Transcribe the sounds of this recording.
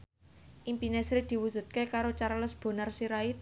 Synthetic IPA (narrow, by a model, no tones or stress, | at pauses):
ʔimpinesɾid̪̥i̤wud͡ʒ̥ṳt̪̚kekaɾot͡ʃaɾləsb̥o̤narsiɾait̪̚